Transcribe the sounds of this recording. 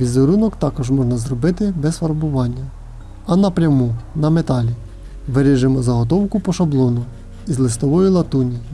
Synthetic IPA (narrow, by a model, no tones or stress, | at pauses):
ʋʲizeɾunɔkt̪ɑkɔʒmɔʒnɐzrɔbɪt̪ɪbɛsfɐɾbʊʋɑnʲːɐ | ɐnɐpɾʲɐmunɐmet̪ɑlʲi | ʋeɾɪʒɪmɔzɐɦɔt̪̬ɔwkʊpɔʃɐblˠɔnʊ | izlˠɪst̪ɔʋɔjilˠɐt̪unʲi